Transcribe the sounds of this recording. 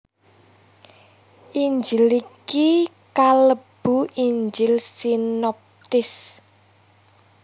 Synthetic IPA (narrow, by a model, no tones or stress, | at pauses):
ʔiɲd͡ʒɪliki | kaləb̥uʔiɲd͡ʒɪlsinɔp̚t̪ɪs